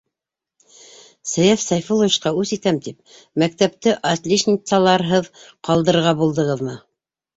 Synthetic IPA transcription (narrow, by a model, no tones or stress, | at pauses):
sæ̆jæfsɑjfolˠoʃqɑʉsit̪æmt̪ip̚ | mæk̚t̪æp̚t̪ɘʔɑt̪lʲiʃnʲit̪sɑlˠɑɾɦɤðqɑlˠd̪ɤ̆ɾɾʁɑbulˠd̪ɤ̆ʁɤðmɤ